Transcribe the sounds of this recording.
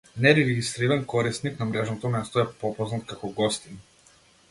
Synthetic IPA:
nɛɾɛɡɛɡist̪ɾiɾankɔɾisniknamɾɛʒnɔt̪ɔmɛst̪ɔɛpɔpɔznat̪kakɔɡɔst̪in

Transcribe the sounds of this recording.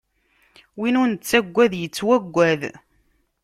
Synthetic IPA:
winʊnt͡sːæɡʷːæðjət͡sːwæɡʷːæð

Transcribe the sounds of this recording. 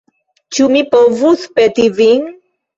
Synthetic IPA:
t͡ʃumipovuθpɛt̪iviŋ

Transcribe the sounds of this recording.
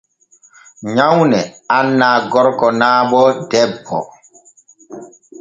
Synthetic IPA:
ɲawnɛanːaɡɔɾkɔnaːɓɔdɛbɔ̰

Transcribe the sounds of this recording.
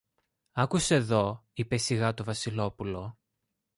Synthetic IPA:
ɐkuseːðo̞ipesiɣɐt̪o̞vɐsilo̞pulo̞

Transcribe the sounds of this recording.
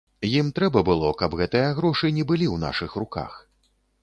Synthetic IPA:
jimt̪ɾɛbɐbɨlˠɔkɐbɣɛt̪ɨjɐɣɾɔʂɨnʲɛbɨlʲiwn̪a̰ʂɨxruka̰x

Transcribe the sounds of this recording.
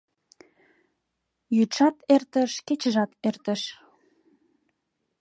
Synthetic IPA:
jyt̪ʃɑt̪ert̪ə̆ʃket͡ɕəʒɑt̪ert̪ə̆ʃ

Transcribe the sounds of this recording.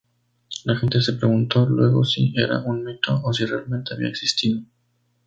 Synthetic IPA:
laxe̞nt̪ese̞pɾeɣunt̪o̞lwe̞ɣo̞̰sie̞ɾa̰ʔunmit̪o̞osire̞alme̞nt̪e̞aβḭaeksist̪iðo

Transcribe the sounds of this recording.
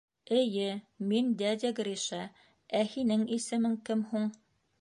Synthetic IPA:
ɘ̆jɘ | mind̪æd̪ʲæɡɾʲiʃɑ | æhinɘŋisɘ̆mɘŋkɘmhuɴ

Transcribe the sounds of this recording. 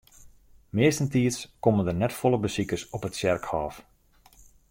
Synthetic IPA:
mɪəstəntiəskɔməndərnɛtfɔlˠəbəsikərsɔpətsɛrkhɔːf

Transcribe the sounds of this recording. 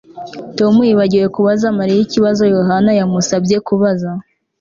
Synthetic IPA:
to̞mujiβaɟiɾe̞kuβazamaɾijiciβazo̞jo̞ɦanajamusabɟe̞kuβaza

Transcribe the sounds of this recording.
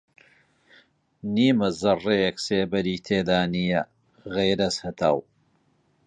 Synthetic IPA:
niːmɐzɐrejɛkseːbɐɾiːt̪ʰeːd̪aːnijɐ | ɣejɾɐshɐt̪ʰa̰ːw

